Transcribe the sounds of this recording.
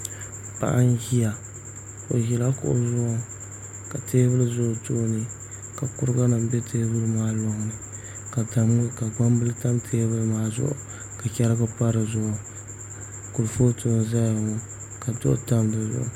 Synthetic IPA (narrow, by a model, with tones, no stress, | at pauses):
pa̰˨ʔa˦n˦ɡi˦ja˨ | o˨ʒi˨la˦kʊ̰˨ʔzʊ˦ʔʊ˦ | ka˨teː˦bɨ˦lɨ˦zʊ˦ʔto˦nɨ˨ | ka˨kʊ˦ɾɡa˦nɨ˨m˦bɛ˦teː˦bɨ˦lɨ˦maː˦lo˦ŋ˨nɨ˨ | ka˨ta˨m˦ka˨ba˦m˦bɨ˦lɨ˦ta˦mtʰeː˦bɨ˦lɨ˦maː˦˨zʊ̰˦ʔʊ̰˨ | ka˨kʲɛ˦ɾɨ˦ɡa˦pa˦ɾɨ˨zʊ˦ʔʊ˨ | kʊ˨ɾfo˦to˨˦n˨za˦ja˨ŋo˨ | ka˨tʊ̰˦ʔta˦mdɨ˨zʊ̰˦ʔʊ̰˦